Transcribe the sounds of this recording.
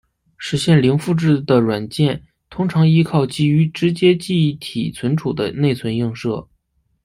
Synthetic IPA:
ʂɻ̩˧˥ɕjɛ˥˩nli˧˥ŋfu˥˧ʈ͡ʂɻ̩˥˩d̪ə˩ɻwa˨˩nt͡ɕjɛ˥˩n | t̪ʰʊ˥ŋʈ͡ʂʰɑ˧˥ŋi˥kʰɑ˥˩ʊt͡ɕi˧˥y˧˥ʈ͡ʂɻ̩˧˥t͡ɕjɛ˥t͡ɕi˥˧˩t̪ʰḭ˨˩t͡sʰwə˧˥nʈ͡ʂʰu˨˩d̪ə̰˦ne˥˩ɪt͡sʰwə˧˥nji˥˧ŋʂɤ˥˩

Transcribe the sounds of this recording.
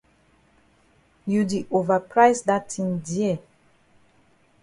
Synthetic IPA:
ju˨di˨ʔo˨va˨pɹa˦ɪsda˦tʰːĩ˦ndi˦ɛ˨

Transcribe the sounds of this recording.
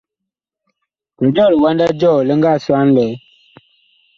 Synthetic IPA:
kə˨d͡ʒɔ˦˨lə˨wa˦nda˦d͡ʒɔ˦˨lə˦ŋɡa˦˨swa˦n˦lɛ˨˦

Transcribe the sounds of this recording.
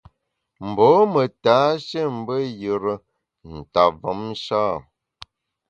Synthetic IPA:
m̩˨bɔ˨˦mə˨taː˨˦ʃe˦˨m̩˦bə˦jə˨ɾə˦ | n̩˨ta˨və˨˦m˦ʃaː˦˨

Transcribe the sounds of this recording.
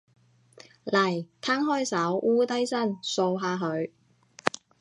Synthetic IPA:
lɐ˨˩jt̪ʰaː˥ŋɦɔː˥jsɐ˨˥wʔuː˥t̪ɐ˥jsɐ˥˩nso˧wɦaː˧ɦɵ˨˧ɥ

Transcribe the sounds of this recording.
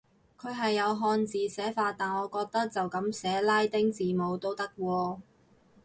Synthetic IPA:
kʰɵ˨˧ɥɦɐ˨jːɐ˨˧wɦɔː˧nt͡siː˨sɛː˨˥faː˧t̪aː˨˩nɔː˨˧kɔː˧k̚t̪ɐ˥k̚t͡sɐ˨wkɐ˨˥msɛː˨˥laː˥jt̪ɪ˥ŋt͡siː˨˩mo˨˧wt̪o˥wt̪ɐ˥k̚wɔː˧

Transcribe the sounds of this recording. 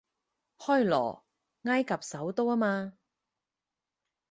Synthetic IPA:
hɔː˥jlɔ̰ː˨˩ | ŋaː˥jkɐ˨p̚sɐ˨˥wt̪o˥waː˥maː˧

